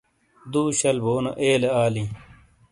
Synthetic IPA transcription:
d̪uːɕɐlboːno̰ʔeːleaːlĩ

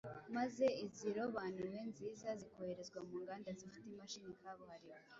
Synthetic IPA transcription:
maze̞iziɾo̞βaːnuwe̞nziːzaziko̞heɾezɡwamuːŋɡaːndazifi̥temaʃinikaβuhaɾiβe

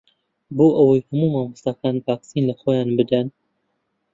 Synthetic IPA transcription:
boːʔɐwɐjhɐmuːmaːmɨst̪akanvaːksinlɐxoːjaːnbɨd̪ɐn

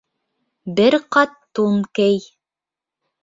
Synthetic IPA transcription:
bɘɾqɑt̪ːunkɘj

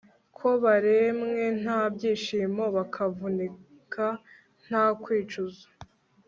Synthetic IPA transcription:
kʰoβaɾe̞mŋe̞n̥abɟiːʃiːmo̞βakʰavuni | kʰa | n̥akwiːt͡ʃuzo̥

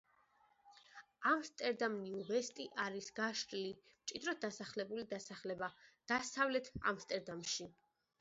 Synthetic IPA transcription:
amst̪ʼɛɾd̪amniuʁɛst̪ʼiʔaɾisɡaʃɾilimt͡ʃʼid̪ɾɔd̪asaχlɛbulid̪asaχlɛbad̪̥asavlɛt̪ʰa̰mst̪ʼɛɾd̪amʃi

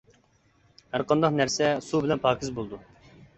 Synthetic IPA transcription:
hæɾqɑnd̪ɑqnæɾsɛsubɪlɛnpʰɑːkʰʲizbolˠd̪u

